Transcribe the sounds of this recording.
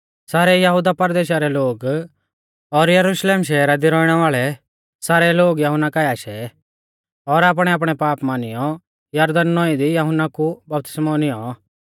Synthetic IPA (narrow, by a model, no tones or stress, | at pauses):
saːɾɛjɐɦʊd̪apɐɾd̪eːʃaɾɛloːɡ | ɔɾjɐɾuʃleːmʃɛːɾad̪iɾɔɪɽ̃ɛʋaːɭɛ | saːɾɛloːɡjɐɦʊnːakajaːʃɛ̰ | ɔɾaːp̬ɽ̃ɛaːp̬ɽ̃ɛpaːpmanɪjɔ | jɐɾd̪ɐnːɔĩd̪ijɐɦʊnːakubɐp̚t̪ɪ̥smaʊnɪjɔ